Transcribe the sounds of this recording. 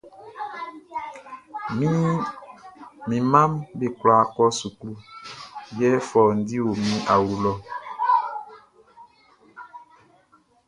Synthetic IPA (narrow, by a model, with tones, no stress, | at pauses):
mi˦ | mĩ˨ma˦mbe˦kwla˨˦kɔ˦su˨klu˦ | jɛ˦fɔː˨n˨di˦o˨mĩ˦ʔa˨wu˨lɔ˦